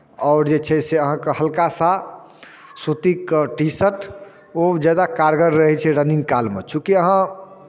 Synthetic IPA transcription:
ɔʊɾd͡ʒet͡ʃʰɛseəɦãkehəlkasa | sot̪ikʈisəʈʰ | od͡ʒad̪akaɾɡəɾːəɦɛt͡ʃʰɛɾəniŋɡkalmet͡ʃũkiəɦã

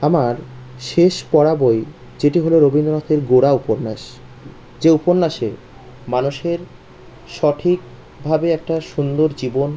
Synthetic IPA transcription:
amaɾ | ʃeʃpɔɽaboj | d͡ʑeʈiɦoloɾobʱind̪oɾot̪ʰeɾɡoɽaupoɾnaʃ | d͡ʑeupoɾnaʃe | manuʃeɾ | ʃɔʈʰik̚ | bʱabeɛk̚ʈaʃund̪oɾd͡ʑibon

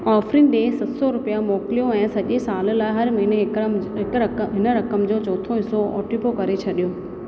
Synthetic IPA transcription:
ɔːfɾɪnɖeːsɐt̪sɔɾʊpijamɔːklijõɛ̃ːsɐʄesaːllaːɪɦɐɾmɐɦineɦɪkɦɪnəɾɐkəmd͡ʑoːt͡ɕɔːt̪ʰoɦɪsoɔ̰ːʈipokɐɾet͡ɕʰɐɗijoː

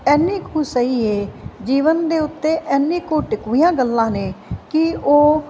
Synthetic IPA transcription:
ɛːnːĩːkʰuːsəiːeːd͡ʒiːʋənd̪eːʊt̪ːeːʔɛːnːĩːkoːʈɪkʋijãːɡəlːãːneːkɪoː

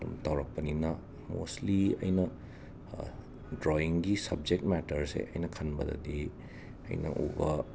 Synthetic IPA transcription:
dumtawɾɐk̚pɐninɐ | mo̰sliɐ̰jnɐ | dɾoiŋɡisɐb̚d͡ʒek̚t̚mɛtɐɾsḛʔɐjnɐkʰɐnbɐdɐ̰di | ɐ̰jnɐ̰ʔubɐ

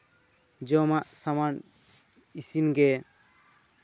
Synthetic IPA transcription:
d͡ʒɔmaʔsaman | isinɡɛ

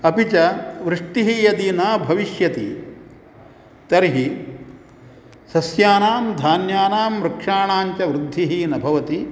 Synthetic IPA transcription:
ɐpit͡ʃɐʋɾɪʂʈiɦijɐd̪inaːbʱɐʋiʃjɐt̪i | t̪ɐɾiɦi | sɐsjaːnaːmd̪ʱaːnjaːnaːmɾɐkʂaːɳaːɲt͡ʃɐʋɾud̪ʱːiɦinɐbʱɐʋɐt̪i

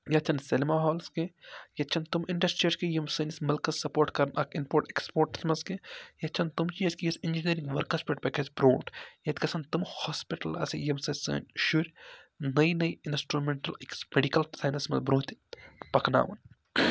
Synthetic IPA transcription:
jɐt͡ʃʰɐnselmaːɦɔːlskejɐt͡ʃʰɐnt̪umiɳɖɐsʈɾijɐɾskejɐmsɐnʲismɐlkɐssɐpoːɾʈkɐɾnɐkinpoːɾʈekspoːɾʈsmɐskejɐt͡ʃʰɐnt̪umt͡ʃijɐsʲkijɐsind͡ʒiniɾĩŋɡʋɐɾkɐspeʈ̚pɐkʰesbɾoːʈjɐt̪ʲkɐsɐnt̪umhɔːspiʈɐlɐ̰sijɐmsɐsə̰ːnʲʃuɾʲnɐjnɐjinsʈɾumeɳʈɐleksmeɖikɐlsaːjnɐsmɐ̰zbɾoːt̪pɐkna̰ːʋɐ̰n

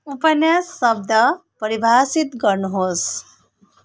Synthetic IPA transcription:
upɐnjasːəb̚d̪ʱəpəɾibʱaːsit̪ɡəɳɦos

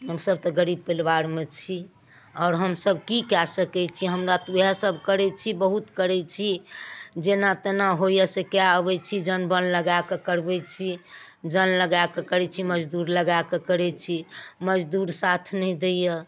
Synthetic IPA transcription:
ɦəmsəb̚t̪ɔɡəɾib̚pelbaɾmet͡ʃʰi | ɔʊɾɦəmsəbʱkikɛsəkɛt͡ʃʰiɦəmɾat̪ujasəbʱkəɾɛt͡ʃʰibəɦut̪kəɾɛt͡ʃʰid͡ʒenat̪enaɦojəsekjaəbɛt͡ʃʰid͡ʒənbənləɡakekəɾbɛt͡ʃʰi | d͡ʒənləɡakekəɾɛt͡ʃʰiməd͡ʒd̪uɾləɡakekəɾɛt͡ʃʰiməd͡ʒd̪uɾsat̪ʰnɛĩd̪ejə

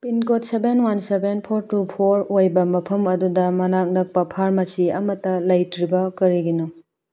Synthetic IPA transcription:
pinkot̚sebenwansebenpʰoɾtupʰoɾojbɐmɐpʰɐmɐdudɐmɐnak̚nɐk̚pɐpʰaɾmɐsiɐmɐtːɐlɐjtɾibɐkɐɾiɡino

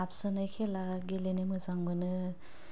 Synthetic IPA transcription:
apsɯnajkʰelaɡelenemɯzaŋbɯnɯ

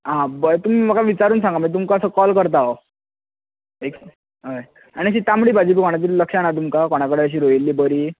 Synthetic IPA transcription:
ɦãbət̪umiːməkaʋit͡ɕaɾuːnsãŋɡamit̪̬umkaəsəkɔlkəɾt̪̬ao | ek | ɦə | aniəɕiːt̪amɽiːbad͡ʑiːbiːkoɽ̃at̪̬iːlləkʂanat̪umkakoɽ̃akəɽeəɕ̬iːɾoilːiːbəɾiː

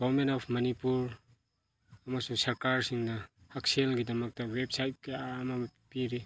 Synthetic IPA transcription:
ɡɔwɾmentɔpʰmɐnipuɾ | ɐmasuŋsɐɾkaɾsiŋnɐhak̚selɡidɐmɐk̚tɐwep̚sajt̚kiamɐpiɾi

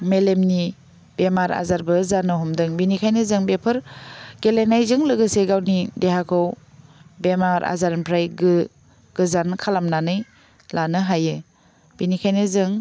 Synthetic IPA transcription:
melemni | bemaɾa̰zaɾbɯzanɯɦɔmdɯŋbinikʰajnɯzɯŋbepʰɯɾɡ̥elenajzɯŋlɯɡɯseɡawnidehakʰow | bemaɾʔa̰zaɾnpʰɾajɡɯ | ɡ̥ɯzankʰalamnanɯj | lanɯɦajɯ | b̥inikʰajnɯzɯŋ

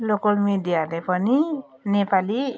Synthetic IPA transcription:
lokɔlmidijadepʌni | nepali

